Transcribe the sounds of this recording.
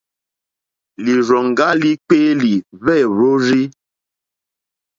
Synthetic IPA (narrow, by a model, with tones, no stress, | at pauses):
li˨ɾɔ˨ŋ˨ɡa˦li˦k͡peː˦li˨vɛ˦˨ɾo˦ɾi˦